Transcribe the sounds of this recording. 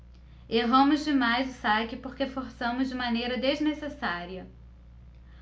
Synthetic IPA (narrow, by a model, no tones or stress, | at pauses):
eɦɐ̃mʊzd͡ʒɪmajzʊsakɪpoɾkefoɾsɐ̃mʊzd͡ʒɪmɐ̃nejɾɐd̪eznesesaɾiɐ